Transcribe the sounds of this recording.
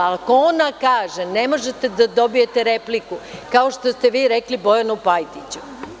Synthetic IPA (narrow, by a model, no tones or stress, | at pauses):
ako̞onakaːʒene̞mo̞ʒet̪e̞d̪ad̪o̞bije̞t̪eɾe̞plikukao̞ʃt̪o̞st̪e̞ʋiːɾeklibo̞janupajt̪it͡ɕu̥